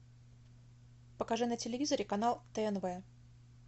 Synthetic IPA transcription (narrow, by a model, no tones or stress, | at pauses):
pəkɐʐɨnətʲɪlʲɪvʲizəɾʲɪkɐnalˠt̪əɛnvɛ